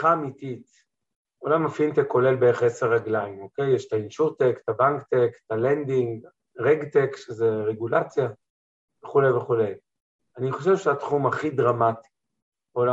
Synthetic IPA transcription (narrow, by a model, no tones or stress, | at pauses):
χaːmitit | o̞lamafintekːo̞le̞lbeeʁeχeseʁaɡlaimo̞kejeʃtainʃuʁt̪ektabaŋkt̪ektalendiŋɡ | ʁeɡtekʃezeʁeɡulat͡sja | veχulejveχule̞j | aniχo̞ʃevʃeatχumaχidʁamati̥ | ola